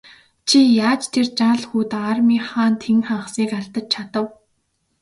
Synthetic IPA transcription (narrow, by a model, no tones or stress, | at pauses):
t͡ɕʰijaːt͡ɕt̪ʰert͡ɕaɮxuːt̪aːrmiːχaːnt̪ʰeŋχaɴχsiːkaɮt̪ə̆t͡ɕ̚t͡ɕʰat̪ə̆w